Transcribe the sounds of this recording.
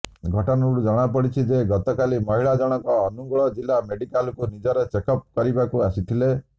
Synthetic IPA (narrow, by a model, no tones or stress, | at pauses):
ɡʱɔʈɔnɔɽud͡ʒɔɽ̃ap̬ɔɽit͡ʃʰid͡ʒeɡɔt̪ɔkalimɔɦiɭad͡ʒɔɽ̃ɔkɔːnuɡɔɭɔd͡ʒilameɖikalɔkunid͡ʒɔɾet͡ʃekɔp̚kɔɾibakuasit̪ʰile